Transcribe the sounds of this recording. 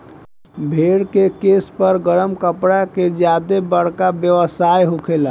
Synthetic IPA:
bʱeɽkekespəɾɡəɾəmkəpɽaked͡ʒjad̪ebəɽ̤kabjəʋəsajɦukʰela

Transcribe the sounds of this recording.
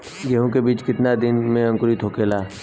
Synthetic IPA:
ɡɛɦõkebiːt͡ʃkɪt̪nad̪ɪnmẽɐ̃ŋkʊɾit̪ʰɦoːkeːlaː

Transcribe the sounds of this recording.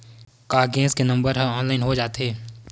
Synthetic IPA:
kaːɾɡɛ̃ːskenɐ̃mbəɾɦɛ̃ɔːnlaːɪnɦod͡ʒaːt̪ɦeː

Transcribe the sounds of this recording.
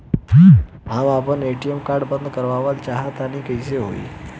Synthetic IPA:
ɦãmapəɳeʈijəmkaɾɖbə̃nd̪kəɾʋaʋalt͡ʃaɦat̪anikəjseɦo̰ḭ

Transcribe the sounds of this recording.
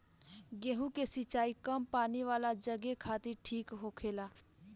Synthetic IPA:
ɡeːɦũkesɪt͡ʃaːikəmpaːniʋaːlad͡ʒəɡekʰaːt̪ɪɾʈʰiːkɦoːkʰeːlaː

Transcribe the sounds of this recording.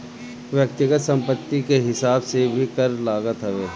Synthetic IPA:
ʋjək̚t̪ɪɡət̪sə̃mpət̪ːikeɦɪsaːbsebʱikəɾlaːɡət̪ɦəʋeː

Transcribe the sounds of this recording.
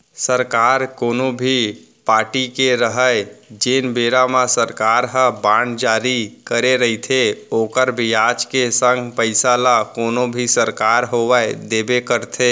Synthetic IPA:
səɾkaɾkonobʱi | paʈikeɾəɦəjd͡ʒenbeɾamasəɾkaɾɦə̃band͡ʒaɾikəɾeɾəɦit̪ʰeokəɾbijad͡ʒkesəŋɡʱpəɪsalakonobʱisəɾkaɾɦoʋajd̪ebekəɾt̪ʰe

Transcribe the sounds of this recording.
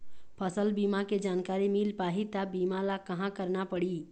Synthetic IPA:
pʰəsəlbiːmaked͡ʒaːnkaːɾimiːlpaːɦit̪abiːmalakɐɦãkəɾnapəɽi

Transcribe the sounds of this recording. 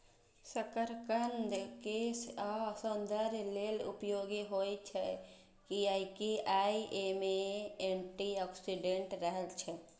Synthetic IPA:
səkəɾkənd̪keːsasənd̪ʱəɾleːlʊ̰pjoːɡiɦoːit͡ʃʰɛ | kiaːikiaːiʔemẽeɳʈiɔːksiɖeɳʈɾəɦɛlt͡ʃʰɛ

